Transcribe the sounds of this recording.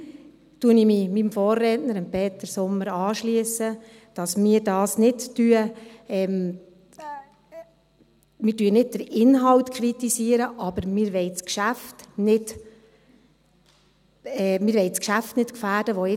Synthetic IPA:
tuənimimimfoːrːɛːtnəɾɪmpʰeːtəɾsʊmːəɾɑːʃliəsːə | d̥ɑsmɪːɾdɑːsnɪtːyəɛm | mɪːtyənɪd̚d̥əɾɪnɦɑwtkʰɾitisiːəɾəʔɑb̥əɾmɪːɾʋɛɪt͡skʃæftnɪt | ɛmɪːɾʋɛɪt͡skʃæftnɪtkfæːd̥əʋɔɪ

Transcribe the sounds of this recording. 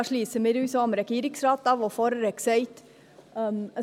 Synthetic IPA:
ʂɭiːsəmɪɾʉːsomɾɛkiːɾɪksɾɑːt̪ɑʋɔfɔɾɾɛksɛɪt̪

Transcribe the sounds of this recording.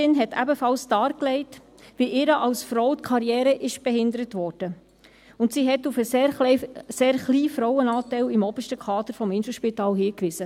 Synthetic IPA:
ɪnɦɛtʰæ̰bəfɑlsd̥ɑːɾklɛɪt | ʋiʔɪːɾəʔɑlsfɾɔʊtkʰɑɾjɛːɾəʔɪʃb̥ɛɦɪndəɾətʋɔːɾd̥ə | ʊntsiːɦɛtufə | seːɾχliːfɾɔwənɑːtɛɪlɪmɔbəʃtəkʰɑːd̪əɾfɔmɪnsl̩ʃpitɑːlɦiːkʋɪsə

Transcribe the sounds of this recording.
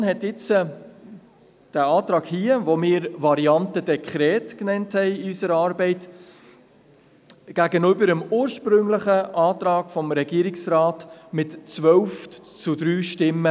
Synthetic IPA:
nhɛtɪt͡sə | d̥æɑːt̪ɾɑːɡhiːəʋomɪːɾʋɑɾiɑntəd̥ɛkʰχɾɛːtknɛnthɛɪɪysəɾɑːɾbɛɪt | ɡ̥æɡənøbəɾəmuːɾʃpɾʏŋləχəʔɑːtɾɑːɡ̥fɔmɾɛɡ̥iːəɾɪksrɑːtmɪtt͡sʋœlft͡sʊd̪ɾyːʃtɪmːə

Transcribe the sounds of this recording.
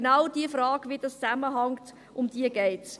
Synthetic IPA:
nawdiəfrɑːɡvidɑst͡saməɦɑŋt | ʔʊmd̥iəɡɛɪt

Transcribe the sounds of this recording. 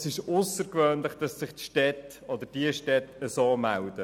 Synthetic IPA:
sɪʃʊsəɾkʋøːnləχd̥ɑsːɪχtʃtɛt | ɔd̪əɾd̥iəʃtɛtːəsoːmæld̥ə

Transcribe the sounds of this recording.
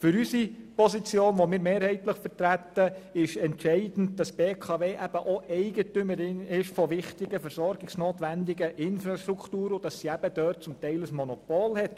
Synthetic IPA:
fʏɾysipɔsit͡sjoːnʋomɪːɾmeːɾhɛɪtləχfəɾtɾæt̪ːəɪʃɛntʃɛɪdn̩dd̥ɑsb̥eːkʰɑʋeːʔæb̥əʔoʔɛɪɡətʏməɾɪnɪʃfɔʋɪχtɪɡəfɛɾsɔɾɡɪksnoːt̪ʋændɪɡəʔɪnfɾɑʃtɾukχtuːɾʊd̥ɑsːiæb̥əd̥œːt̚t͡sʊmtɛɪləsmɔnɔpɔlhɛt

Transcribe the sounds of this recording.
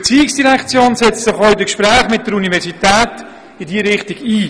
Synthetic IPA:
t͡siːɪksd̥iɾɛkʰt͡sjoːnsɛt͡stsɪχɔʏdəkʃpɾæːχmɪt̚dəɾunivɛɾsitɛːt | ɪdiəɾɪχtɪɡiː

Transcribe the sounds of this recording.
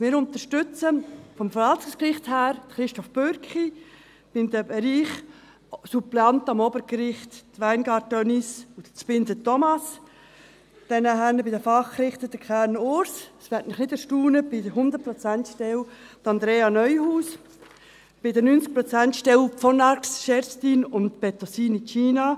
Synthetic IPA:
mɪːɾʊnt̪əʃtʏt͡səfɔmfəɾɑltʊŋskrɪχthæːɾd̥əχɾɪʃtɔfb̥øɾkχi | b̥ɪmd̪əbɛɾiːχ | suplɛɑntɑmɔbəɾkɾɪχttʋæɪnɡɑɾtɔnisʊdət͡spɪndətɔmɑs | d̥ɛnəɦænəbɪdəfɑχkɾɪχt̪ədəkʰæːɾnʊɾssʋɛtmɪχnɪdəʃtuːnəb̥ɪdəɾɦʊnd̪əɾ̚pɾɔt͡sæntʃtɛlt̪ɑnd̪ɾeːɑnœʏhuːs | b̥ɪdənynt͡sk̚pɾɔt͡sæntʃtɛlfɔnɑksʃɛɾstiːnʊntb̥ɛtɔsiːnit͡ʃiːnɑ

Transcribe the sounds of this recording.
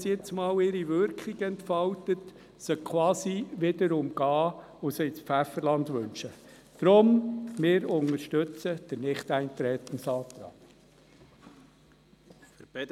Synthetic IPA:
sjɪt͡smɑːwɪɾiʋʏɾkχiɡəɛntfɑwtət | sœkʰwɑːsiʋɪdəɾʊmɡ̥ɑː | ʊseɪt͡sfæfəɾlɑnd̪ʋɵ̰nʃə | d̥ɾʊmmɪːɾʊŋəɾʃtɵt͡səd̪̥əɾnɪχt̪æɪnt̪ɾɛːt̪ən̩sɑːt̪ɾɑ̰ː

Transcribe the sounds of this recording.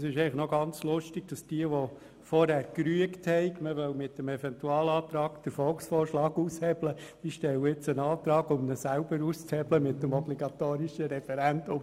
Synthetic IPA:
sɪʃɛɪləχnɔɡɑnt͡slʊʃtɪɡ̚d̥ɑsd̥iəʋɔ | fɔɾhæɾkɾyəkthɛɪkməʋœʊmɪtːəmɛfɛntuɑːlɑːt̪ɾɑːkd̥əɾfɔlksfɔːɾʃlɑːɡuːshɛbləd̥iʃtɛwəɪt͡sənɑːt̪ɾɑːɡʊmnəsæʊbəɾust͡shɛbləmɪtːəmɔbliɡɑt̪oːɾiʃəɾɛfɛɾændʊm

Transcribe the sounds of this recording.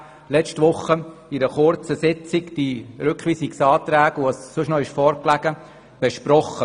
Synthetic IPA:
lɛt͡ʃtʋʊχːəɪɾəχʊɾt͡səsɪt͡sɪkd̥iɾʏkχʋiːsiksɑːtɾæːɡuɑssʊʃnɔɪʃfɔːɾklæɡ̥ə | b̥ɛʃpɾɔχə

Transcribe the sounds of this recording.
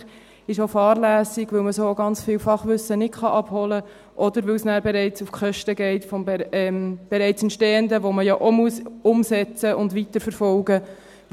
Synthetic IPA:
ɪʃofɑːɾlæːsɪɡʋɪlməsoːoɡɑnt͡sfɪlfɑχʋʏsənɪtχɑʔɑb̥hɔlə | ʔɔd̪əɾʋɪlsnæːɾbeɾɛɪt͡sufkχœʃtəɡɛɪtfɔmbmb̥eɾɛɪt͡sɛntʃteːənd̪əʋoməjaʔomuəsʊmsɛt͡səʊndʋit̪əɾfəɾfɔlɡə

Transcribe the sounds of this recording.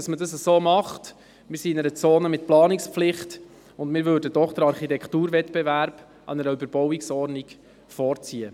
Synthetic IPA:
ɑsmədɑsəsoːmɑχt | mɪːɾsiɪnɛɾət͡soːnəmɪt̚plɑːnikspflɪχt | ʊndmɪːɾʋøːɾdədɔχd̥əɾɑɾχitɛktuːɾvɛtb̥ɛvæɾb̥ | ʔɑ̰nɛɾəybəɾb̥ɔwiksɔɾnik | fɔːɾt͡siːə

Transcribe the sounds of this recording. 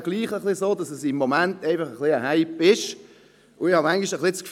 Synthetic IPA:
ɡ̥liːχəχlɪzoːdɑsəsɪmːomæntæɪfɑχəχliəɦaɪpɪʃ | ʊɪhɑmaŋɡiʃəχlɪskf

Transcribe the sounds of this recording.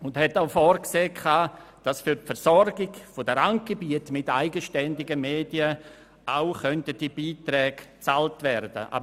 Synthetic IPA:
ʊndhɛtaʊfɔːrkseːkʰaːd̥asfyɾpfɛɾsɔɾɡɪɡfodəɾaŋt̚ɡ̥ebiətmɪtaɪɡəʃtɛndɪɡəmeːdiə | ʔaʊχœntəd̥ibiːtrɛːɡ̥t͡saltvɛɾd̥ə̰ʔa̰b

